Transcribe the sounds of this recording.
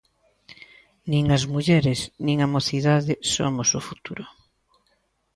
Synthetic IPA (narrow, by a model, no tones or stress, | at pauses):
nĩŋɐzmuʎɛɾɪsnĩŋamoθiðaðɪso̰mosʊfut̪uɾʊ